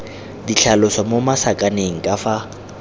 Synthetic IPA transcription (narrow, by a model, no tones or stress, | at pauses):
diɬʰalʊsɔmomasakʼaneŋ̩kʼafa